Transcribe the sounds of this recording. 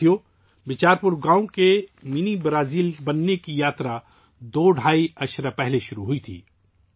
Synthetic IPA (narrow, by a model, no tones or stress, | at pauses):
jo | bɪt͡ʃaːɾpʊɾɡãːõkemɪnibɾaːziːlbɐnːekijaːt̪ɾa | d̪oːɖʱaːiɐʃɾapɛɦleʃʊɾuɦʊit̪ʰḭː